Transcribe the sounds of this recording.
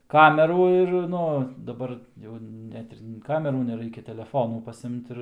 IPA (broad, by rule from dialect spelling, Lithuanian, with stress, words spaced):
ˈkɑːmʲɛruː ɪr ˈnʊ dɐˈbɐr ˈjɛʊ ˈnʲɛt ɪr ˈkɑːmʲɛruː nʲɛˈrɐɪkʲɛ tʲɛlʲɛˈfoːnuː pɐˈsʲɪmt ˈɪr